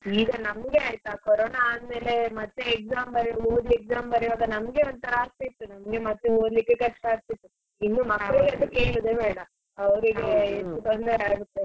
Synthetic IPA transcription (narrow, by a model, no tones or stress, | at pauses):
iːɡɐnɐmɐɡeaːjt̪ːakoɾoːnaaːd̪me̞ːle̞mɐt̪ːeːk̚saːmbɐɾoːd̪iek̚saːmbɐɾiʋaːɡɐnɐmɡe̞ond̪̚t̪ɐɾɐaːst̪ɐit̪ːunɐmɐɡemɐt̪ːeoːd̪likːekɐʈːt̪aːɡ̚t̪it̪ːu | inːumɐkːɐɭiɡɐd̪ukeːɭud̪ebeːɽɐ | ɐʋɐɾiɡeet̪ːut̪ɐnd̪ɐɾaːɡut̪ːe